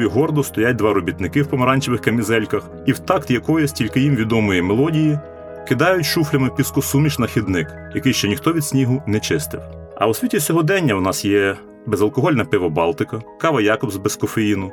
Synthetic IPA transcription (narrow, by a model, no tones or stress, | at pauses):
ʋʲiɦɔrd̪ɔst̪ɔjat̚ʲd̪ʋɑɾɔbʲit̪nɪkɪwpɔmɐɾɑnʲt͡ʃeʋɪxkɐmʲizɛlʲkɐx | iwt̪ɑkt̪jɐkɔjɛsʲtʲilʲkɪjimʋʲid̪ɔmɔjimelˠɔdʲiji | kɪd̪ɑjʊtʲʃuflʲɐmɪpʲiskɔsumʲit͡ʃnɐxʲid̪nɪk | jɐkɪjʃt͡ʃɔnʲixt̪ɔʋʲid̪̥sʲnʲiɦʊnɛt͡ʃɪst̪ɪ̰w | ɐ̰wʊsʲʋʲitʲisʲɔɦɔd̪ɛnʲːɐwnɑsjɛ | bɛzɐlˠkɔɦɔlʲnɐpɪʋɐbɑlˠt̪ɪkɐkɑʋɐjɑkɔbzbeskɔfejinʊ